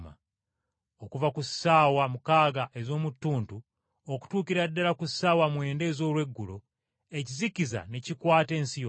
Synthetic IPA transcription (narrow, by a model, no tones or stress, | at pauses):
ma̰ | okuvakusaːwamukaːɡaʔezo̞ːmutːuːntu | oku̥tuːkiɾadːalakusːaːwamwe̞ːnde̞ːzo̞ːlwe̞ɡːulo | e̞cizikiza̰necikwaːte̞ːnsijo